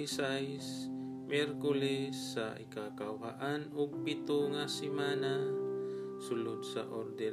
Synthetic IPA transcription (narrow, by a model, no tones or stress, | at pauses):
sajs | mɛɾkʊlɛsːaʔɪ̰kakawkaʔanʊɡ̚pɪt̪ʊŋasɪmaːna | sʊlʊd̪̚sa̰ʔoɾd̪ɛ